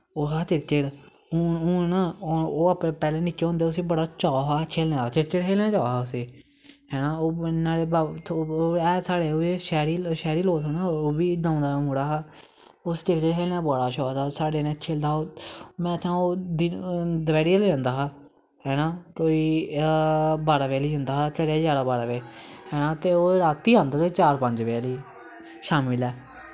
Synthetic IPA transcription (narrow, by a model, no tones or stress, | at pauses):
oːɦaːt̪ɪɾt͡ʃeːɽ | uːʊːnaːoːapeːpɛːlẽːniːt͡ʃeːɦõnd̪eːʊsiːbəɽaːt͡ʃɔːɦaːt͡ʃʰelaːat̪ɪɾt͡ʃeɽɦeːlãːt͡ʃaːaːʊseː | hɛːnaːoːnaːɽeːbaːt̪ʰoɛːsaːɽeːoeʃɛːɾiːʃɛːɾiːloːt̪oːnaːoːbiːdãːʊ̃nd̪aːmuːɽaːaː | ʊst̪eɾd̪eːɛːnãːbɔːɽaːʃoːt̪aːsaːɖeːnẽːt͡ʃʰeld̪aːoːmɛ̃ːt̪ʰãːoːd̪ɪd̪ʋɛːɽiːalːãːnd̪aːɦaː | ɦɛːnaːkoːiː | baːɾaːʋeːliːɦʊ̃nd̪aːt̪ʰeɾed͡ʒaːɽaːbaːɾaːʋeːhɛːnãːt̪eːoːɾaːt̪ːiːãːnd̪aːtoːit͡ʃaːɾpə̃ɲd͡ʒʋeliː | ʃaːmɪlɛː